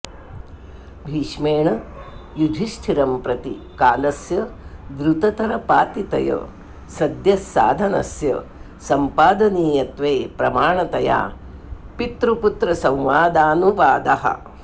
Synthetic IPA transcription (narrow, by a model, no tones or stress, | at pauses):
bʱiːʂmeːɳɐjud͡ʒ̪ʱiʃʈʰiɾɐmpɾɐt̪i | kaːlɐsjɐd̪ɾut̪ɐt̪ɐɾɐpaːt̪it̪ɐ̰jɐ̰ | sɐd̪jɐsːa̰ːd̪ʱɐnɐ̰sjɐ̰ | sɐmpaːd̪ɐniːjɐt̪ʋeːpɾɐmaːɳɐt̪ɐja̰ː | pit̪ɾuput̪ɾɐsɐ̃wʋaːd̪aːnuʋaːd̪ɐɦɐ̰